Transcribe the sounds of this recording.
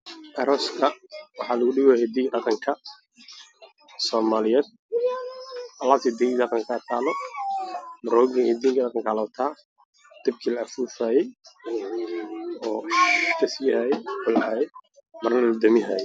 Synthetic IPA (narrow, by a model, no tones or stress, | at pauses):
ʔɐɾɔːskʰɐwɑħɑːlɐɣʊɖɪɣɔhɛd̪iːɖɑqɑŋkʰɐ | sɔːmaːlɪjɛːd̪̥̚ | ʔɐlaːt̪ʰid̪ɛid̪ɑqɑŋkʰaːt̪ʰaːlɔ | mɐɾɔːɡɪŋhɛd̪iːŋkʰɐɗɑqɑŋkʰɐlɐt̪ʰaː | d̪̥ɪb̚kʰilɐɐfuːfaːjɛj | ɔːkʰɐsihaːjɛʊlʔaːjɛ | mɐrnɐlɐd̪ɐmɪɦaːjɛ